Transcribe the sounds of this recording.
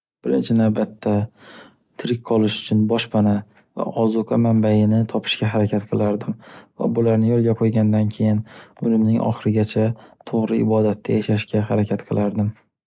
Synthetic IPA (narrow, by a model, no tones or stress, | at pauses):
b̥ɪɾɪnt͡ʃʰɪnavbat̪ʰːa | t̪ʰɾɪk̚ʲqʰɒlˠɪʃʊ̥t͡ʃʰʊnbɒʃpʰana | va̰ʔɒzʊqʰɑmambajɪnɪt̪ʰɒpʰɪ̥ʃkʲaɦaɾakʲʰat̪qʰɨlˠaɾd̪ɪmva̰bʊlaɾnɪjɒlˠɡʲaqʰojɡʲand̪ankʲʰe̞jɪnʊlɪmnɪŋʔɒ̰χɨɾɪɡʲat͡ʃʰat̪ʰoʁɾɪɪbɒd̪at̪ʰːajaʃaʃkʲaɦaɾakʲʰat̪qʰɨlˠaɾd̪ɪm